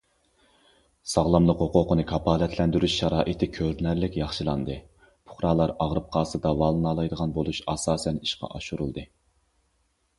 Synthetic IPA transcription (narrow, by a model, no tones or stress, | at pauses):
sɑʁlˠɑmlˠəqhoqoqʰənɨkʰɑpʰɑːlɛt̪ʰlɛnd̪yɾyʃʃɑɾɑːʔit̪ʰɪkʲʰøɾnæɾlɪkʲjɑχʃɨlˠɑnd̪ɨ | pʰʊ̥χɾɑːlˠɑɾɑʁɾɨp̚qʰɑːsɨd̪ɑvɑːlˠɨnɑlˠɑjd̪əʁɑnbolˠuʃɑsɑːsɛniʃqɑ̰ʔɑʃuɾṵlˠd̪ɨ